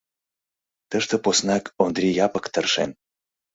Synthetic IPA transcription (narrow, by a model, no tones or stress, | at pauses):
t̪əʃt̪ə̆posnɑkond̪rʲijɑpəkt̪ərʃḛn